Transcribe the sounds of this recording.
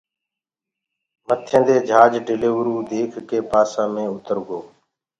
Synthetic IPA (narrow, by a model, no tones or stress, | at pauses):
mət̪ʰẽːd̪eːd͡ʒʱaːd͡ʒɖɪleːʋəɾuːd̪eːkʰkeːpaːsãːmẽːʊt̪əɾɡoː